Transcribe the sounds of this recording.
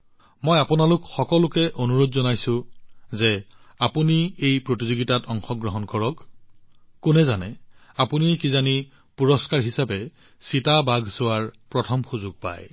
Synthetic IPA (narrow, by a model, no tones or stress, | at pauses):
mɔjapʊnalʊkxɔkɔlʊkɛʔonuɹodzɔnajsʊ̃zɛ | apuniejpɹotizoɡitatɔŋxɔɡɹɔɦɔnkɔɹɔkː | ʊnɛzanɛapunikizani | puɹɔskaɹɦisabɛ | sitabaɡʱsʊwaɹpɹɔtʰɔmxuzʊɡ̚pa̰j